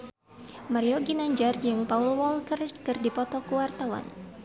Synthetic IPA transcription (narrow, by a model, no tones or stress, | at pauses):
maɾioɡinaɲd͡ʒard͡ʒɨŋpaulwɔlkərkɨrdipɔt̪ɔkuwart̪awa̰n